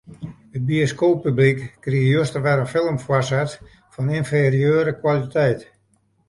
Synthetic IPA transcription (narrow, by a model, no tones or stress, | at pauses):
hət̚bioskoːpːyblikːriəjostəʋɛɾənfɪlˠəmfwɔrsɛt | fɔninferiøːɾəkwalitʰɛjt